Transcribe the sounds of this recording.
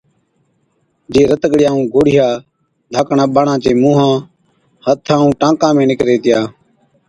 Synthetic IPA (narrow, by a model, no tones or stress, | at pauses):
d͡ʒeːɾət̪əɠɽɪjãːũːɡoːɽɪjaː | d̪ʱaːkɳãːɓaɳãːt͡ʃeːmũːɦãː | hət̪ʰːãːũːʈãːkãːmẽːnɪkɾeːt̪ɪjaː